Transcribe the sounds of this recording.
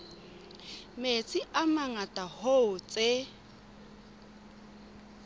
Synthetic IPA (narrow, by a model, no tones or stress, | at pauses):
met͡sʼiʔamaŋatʼahoʊt͡sʼe